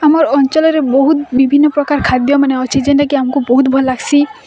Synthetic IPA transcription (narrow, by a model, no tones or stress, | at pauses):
amɔɾɔnt͡ʃɔlɔɾebɔɦut̪bibʱinːɔpɾɔkaɾkʰad̪jɔmaneɔt͡ʃʰid͡ʒenʈakiamɔkubɔɦut̪bʱɔlːaɡsʰi